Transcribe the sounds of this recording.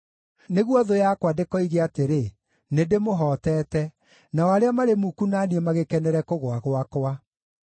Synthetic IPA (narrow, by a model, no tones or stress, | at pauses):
neɣwɔðojakwadekɔiɣeateɾe | nedemoɦɔːtɛːtɛ | naɔaɾeamaɾemukunaniɛmaɣekɛnɛɾɛkoɣwaɣwakwa